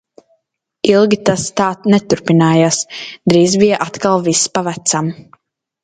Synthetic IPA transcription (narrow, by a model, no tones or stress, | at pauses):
ilˠɡʲit̪ast̪aːt̪nɛt̪uɾpinaːjaːsd̪ɾiːzbijɛʔat̪kalˠvispavæt̪sam